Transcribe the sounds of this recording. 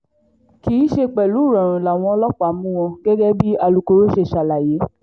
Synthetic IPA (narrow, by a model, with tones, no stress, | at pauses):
ki˨˦ʃe˧k͡pɛ˨lu˨˦˨ɾɔ̃˨ɾ̃ũ˨la˨w̃ɔ̃˧˦lɔ˦k͡pa˨˦mũ˦w̃ɔ̃˧ɡ̥ɛ˦ɡɛ˦bi˦a˧lu˧ko˧ɾo˦ʃe˧˨ʃa˧˨la˨je˨˦